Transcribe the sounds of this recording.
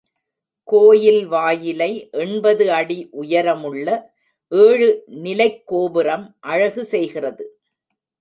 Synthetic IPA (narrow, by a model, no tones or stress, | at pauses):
koːjɪlʋaːjɪlɐɪʔɛɳbɐðɯɐɽiʔʊjɐɾɐmɯɭːɐ | ʔeːɻɯnɪlɐɪkːoːbɪɾɐmʔɐɻɐɣɯsɛjɣɪrɐðɯ